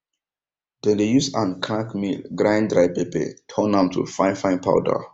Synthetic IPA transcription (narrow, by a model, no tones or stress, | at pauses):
d̥ẽdejusãnkʰãŋkmilɡɹãɪ̃ndɾaɪpebḛtʰɔ̃nãmtʰṵfãɪ̃nfãɪ̃npʰa̰ʊdə̰